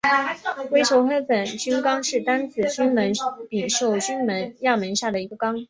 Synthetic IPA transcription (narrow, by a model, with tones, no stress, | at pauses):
kwe˥ɪt͡ɕʰjo˧˥ʊxe˥ɪpə˨˩nt͡ɕy˥nkɑ˥ŋʂɻ̩˥˩t̪a˥nt͡sʰɹ̩˨˩t͡ɕy˥nmə˧˥npi˨˩ŋʂo˥˩ʊt͡ɕy˥nmə˧˥njɑ˥˩mə˧˥nɕja˥˩d̪ə˩i˧˥ɡə˧kɑ˥ŋ